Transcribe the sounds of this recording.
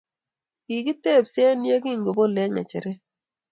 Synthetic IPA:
ki˨ki˦tːe˦˨psɛ˦nje˦ki˦ŋɡo˨bo˦lɛ˦ŋa̰˨t͡ʃɛ˨ɾɛ˦

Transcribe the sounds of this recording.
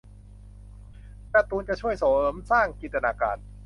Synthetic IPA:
lɛː˧˩t̪uː˧nt͡ɕa˨˩t͡ɕʰu˥˩əjsoː˨˩˦msaː˥˩ŋkiː˨˩t̪̚ta˧naː˧ka̰ː˧n

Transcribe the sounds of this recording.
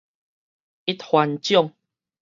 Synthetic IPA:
i˦t̪̚hwa˧nt͡ɕjɔ˥˧˨ŋ

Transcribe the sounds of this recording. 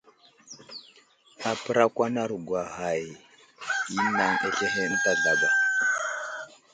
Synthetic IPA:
a˨pə˦ɾa˦kʷa˦na˦ɾu˨ɡʷa˨ha˨j | i˦na˨ne˨ɬe˦ɦe˦n̩˦ta˦ɮa˨ba˨

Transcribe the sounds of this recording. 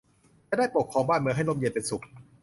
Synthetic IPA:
t͡ɕa˧˩daː˥˩jpo˨˩kʰːɔː˧ŋbaː˥˩nmɯ˧ɦa˥˩jlo˥˩mji˧npe˧nsu˨˩k̚

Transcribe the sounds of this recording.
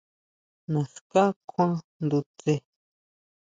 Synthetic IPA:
nã˨ska˦kʰʷã˦nd̪u˧t͡se˧

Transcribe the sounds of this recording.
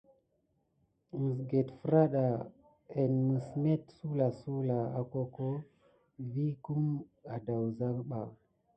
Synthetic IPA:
sɡe˨tfɾa˦ɗa˨ | e˨nmɨ˨sme˦tsu˦la˨su˦la˨a˨ko˦ko˦ | vi˦ku˦ma˨da˨wza˦ɓa˨w

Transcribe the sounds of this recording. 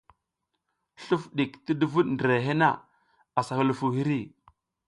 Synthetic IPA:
ɬu˦fɗi˨kti˦du˦vu˦ɗndɾe˨ɦe˦na̰˦˨ | a˨sa˨hu˦lfu˨hi˦ɾi˦˨

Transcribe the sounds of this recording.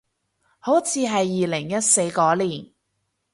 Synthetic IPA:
ho˨˥wt͡sʰiː˨˧ɦɐ˨jːiː˨lɪ˨˩ŋjɐ˥t̚se˧jkɔː˨˥liː˨˩n

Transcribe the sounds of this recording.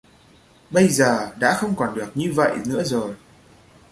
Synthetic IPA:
ɓə˧jzəː˨˩ɗa̰ː˧˥xə˧wŋ͡mkɔ˨˩nɗɨ˨˩ək̚ɲɨ˧və̰˧˨jʔnɨ̰˧˥əzo˨˩j

